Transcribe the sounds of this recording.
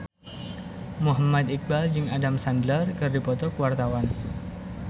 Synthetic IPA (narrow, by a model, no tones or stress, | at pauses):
muɦamat̪ik̚bald͡ʒɨŋadamsandlərkɨrdipɔt̪ɔkəwart̪awan